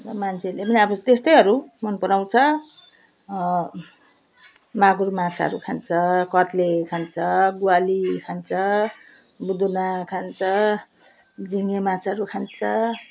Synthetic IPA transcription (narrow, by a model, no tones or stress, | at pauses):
mant͡sʰelepʌniʌbʌt̪est̪ʌjɦʌɾumʌnpʌɾaw̃t͡sʰʌ | maɡurmat͡sʰaʌɾukʰant͡sʰʌkʌt̪lekʰant͡sʰʌɡualikʰant͡sʰʌ | bud̪unakʰant͡sʰʌ | d͡ziŋemat͡sʰaʌɾukʰant͡sʰʌ